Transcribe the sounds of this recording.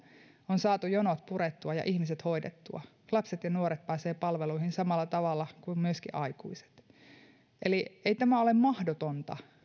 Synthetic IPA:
onsɑːt̪ujonot̪puret̪ːuɑjɑ̰ʔihmis̬et̪hoidḛt̪ːṵɑ̰ | lɑpset̪jɑnuoɾet̪̚pæːseːpɑlʋeluihinsɑmɑlːɑt̪ɑʋɑlːɑkummyøskḭʔɑikṵise̥t̪ | ʔelieit̪æmæolemmɑhdot̪ont̪ɑ̰

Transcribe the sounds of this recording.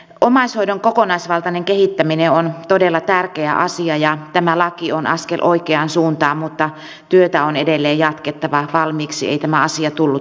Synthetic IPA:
ʔomɑishoidoŋkokonɑisʋɑlt̪ɑneŋkehit̪ːæmineont̪odelːɑt̪ærkeæʔɑ̰siɑjɑt̪æmælɑkionɑ̰skelʔoikeɑnsuːnt̪ɑːmmut̪ːɑ | t̪yøt̪æonedelːeːjjɑt̪ket̪ːɑʋɑʋɑlmiːksḭḛit̪æmæɑsiɑt̪ulːu

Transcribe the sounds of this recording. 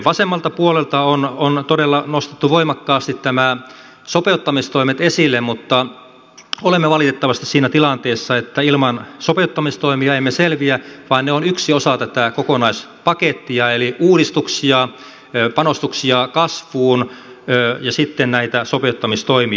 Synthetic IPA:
ʋɑsemːɑlt̪ɑpuolelt̪ɑonont̪odelːɑnost̪e̥t̪ːuʋoimɑkːɑːst̪it̪næmæ | sopeut̪ːɑmist̪oimet̪esilːemmut̪ːɑ | olemːeʋɑlit̪et̪ːɑʋɑst̪issiːnæt̪ilɑnt̪eːsːɑet̪ːæilmɑnsopeut̪ːɑmist̪oimiɑemːeselʋiæʋɑinneonyksiosɑt̪æt̪ækokonɑis | pɑket̪ːiɑeliuːdist̪uksiɑ | pɑnost̪uksiɑkɑsʋuːn | øːjɑsit̪ːennæit̪æsopeut̪ːɑmist̪oimi

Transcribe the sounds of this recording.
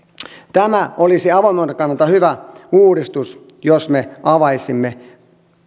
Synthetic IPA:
t̪æmæolisiɑʋɑmont̪ekɑnːɑlt̪ɑhyʋæuːɾist̪us | josmeɑʋɑisimːe

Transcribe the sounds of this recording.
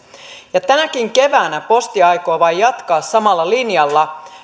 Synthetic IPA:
jɑt̪ænækiŋke̞ʋæːnæpo̞st̪iɑjko̞ːʋɑjːɑt̪kɑːsːɑmɑlːɑlinjɑlːɑ

